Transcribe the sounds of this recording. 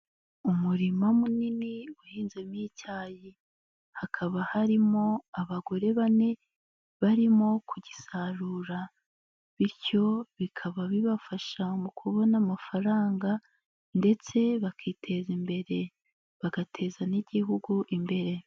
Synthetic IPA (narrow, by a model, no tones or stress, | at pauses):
umuɾimamuniniuhiːnzemiːcaːji | hakʰaβahaɾimo̞aβaɡo̞ɾe̞βane̞ | βaɾimo̞kʰuɟisaɾuːɾa | βiɾco̞βikʰaβaβiβafaʃamukʰuβo̞namafaɾaːŋɡa | nde̞t͡se̞βakʰiːtʰe̞zimbe̞ɾe̞ | βaɡatʰe̞zaniɟiɦuɡuʔimbe̞ɾe̞